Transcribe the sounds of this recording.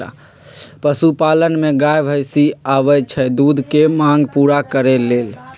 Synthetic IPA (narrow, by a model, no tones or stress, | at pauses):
a̰ | pəsupalənmeɡajbʱəjsiaʋət͡ʃʰɛd̪ud̪ʱkemãŋɡpuɾakəɾelel